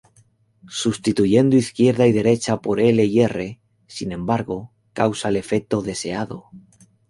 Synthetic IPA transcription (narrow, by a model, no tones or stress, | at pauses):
sust̪it̪uʝe̞nd̪oiθkje̞ɾðaið̞e̞ɾe̞t͡ʃapoɾe̞leie̞re̞ | sinẽ̞mbaɾɣo | kawsaele̞fe̞k̚t̪o̞ðe̞se̞aðo̰